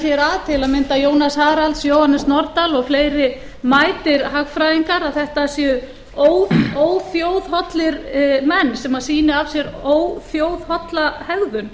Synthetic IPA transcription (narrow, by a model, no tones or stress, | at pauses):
ɛɾaðt̪ʰɪlaðmɪnt̪ajoːwnashaːɾalt̪sjoːwhanːɪsnɔɾt̪alɔɣfleːjɾɪ | maːjt̪ɪɾɦaɣfɾaːjiŋkaɾaðθɛht̪asjœ | oːwðoːwθjoːwð̥ɦɔt̪lɪɾmɛnːsɛmaɾ̥siːnɪav̥sjɛɾoːwθjoːwð̥hɔt̪lahɛɣðʏn